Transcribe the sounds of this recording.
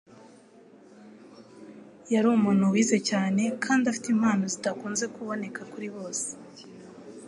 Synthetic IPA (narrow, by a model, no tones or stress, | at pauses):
jaɾuːmuːn̥huwiːze̞caːne̞kʰaːndafi̥timhaːno̞zitakuːnze̞kuβo̞ne̞kʰakuɾiβo̞ːse̥